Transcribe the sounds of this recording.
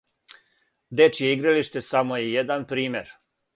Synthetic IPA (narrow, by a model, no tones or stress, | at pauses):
d̪e̞t͡ʃijeiɡɾaliʃt̪e̞samojejed̪anpɾiːme̞ɾ